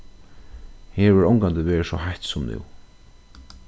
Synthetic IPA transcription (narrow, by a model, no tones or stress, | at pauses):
heːɹʋɪɹɔwŋkant̪ɪʋeːɹsɔhajt̪sɔmnṵw